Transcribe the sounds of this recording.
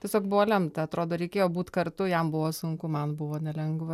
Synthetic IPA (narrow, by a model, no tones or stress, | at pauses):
tʲɛsʲoːkbʊʋoːlʲɛmt̪ɐɐt̪ɾoːd̪oːɾʲɛɪkʲeːjoːbuːt̪kɐrt̪ʊjɛmbʊʋoːsʊŋkʊmɐnbʊʋoːnʲɛlʲɛŋɡʋɐ